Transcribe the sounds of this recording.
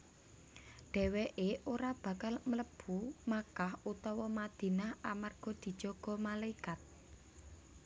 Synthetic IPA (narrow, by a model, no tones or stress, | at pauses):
ɖ̥ɛ̤wɛʔeʔoɾab̥ä̤kalmələb̥umakahut̪ɔwɔmad̪̥i̤nahamarɡ̥ɔ̤d̪̥i̤d̥ʒ̥ɔ̤ɡ̥ɔ̤malaikat̪̚